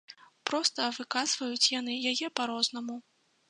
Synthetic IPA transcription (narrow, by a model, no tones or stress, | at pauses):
pɾɔst̪ɐvɨkazvɐjut͡sʲjan̪ɨjajɛpaɾɔznɐmu